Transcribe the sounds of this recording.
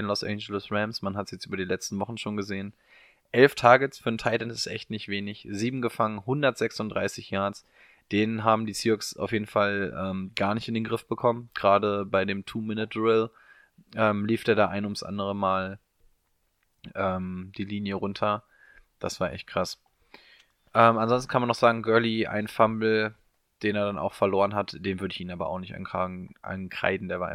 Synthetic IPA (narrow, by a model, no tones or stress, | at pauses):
nlɔsʔɛ̰ɪnd͡ʒəlʊsʁɛmsmanhatsjɛt͡stʔyːbɐdiːlɛt͡stn̩vɔχn̩ʃoːnɡəzeːən | ʔɛlftʰaːɡəsfyːɐn̩tʰaɪlɛntɪ̥stʔɛ̰çtnɪçtv̥eːnɪçz̥iːbm̩ɡəfaŋənhʊndɐtz̥ɛksʊntdʁaɪsɪçjaɐt͡s | d̥eːnənɦaːbm̩diːsiːɔksa̰ʊfjeːdn̩falʔɛːmɡ̥aːɐnɪçtɪndeːnɡʁɪfb̥əkʰɔmənɡ̥ʁaːdəbaɪdeːmtʰuːmɪnətʰʁɪl | ʔɛːmliːfd̥eːɐɾaːʔaɪnəʊmtsʔa̰ndəʁ̞əmaːl | ʔɛːmd̥iːliːnjəʁʊntʰɐ | d̥asv̥aːɐʔɛ̰çt̚kʁ̥as | ʔɛːmanzɔnstn̩kʰanmanːɔχz̥aːɡŋ̩ɡœɐliʔa̰ɪnfambl̩ | d̥eːneːɐɾana̰ʊxfɛɐloːʁənɦatd̥eːnvʏɐdəɪçʔiːnaːbɐ̰a̰ʊxnɪçtʔa̰naʔa̰nkʁ̥a̰ɪdn̩deːɐvaːɐʔɪ̰